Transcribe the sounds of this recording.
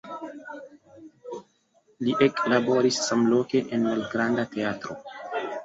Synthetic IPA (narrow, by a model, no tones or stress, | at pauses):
liʔeklabo̞ɾisːamlo̞ke̞ʔenmalɡɾandate̞atɾo̞